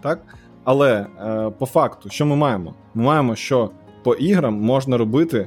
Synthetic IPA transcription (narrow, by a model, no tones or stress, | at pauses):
t̪ɑk̚ | ɐlˠɛpɔfɑkt̪ʊʃt͡ʃɔmɪmɑjemɔ | mɪmɑjemɔʃt͡ʃɔ | pɔʔiɦɾɐmːɔʒnɐɾɔbɪt̪ɪ